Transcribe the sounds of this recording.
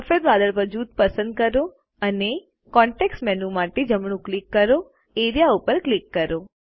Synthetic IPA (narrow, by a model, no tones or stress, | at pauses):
əfeɾʋad̪əɭpəd͡ʒud̪̚pəsənd̪̚kəɾo | əne | kɔ̃ɳʈeksmɛnũmaʈed͡ʒəmɳũklikːəɾo | eɾijaupəɾklikːəɾo